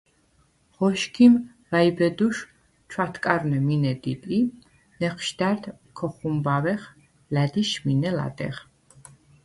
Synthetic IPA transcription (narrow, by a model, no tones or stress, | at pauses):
ʁɔʃkʰim | vaibɛd̪uʃ | t͡ʃʰwat̪ʰkʼaɾnɛminɛd̪it̪ʼi | nɛχʰʃd̪̥aɾd̪ | kʰɔχumbavɛχ | lad̪iʃminɛla̰d̪ɛ̰ʁ